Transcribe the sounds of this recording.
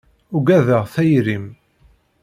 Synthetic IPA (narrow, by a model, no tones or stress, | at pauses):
ʊɡæðəʁθæjɾim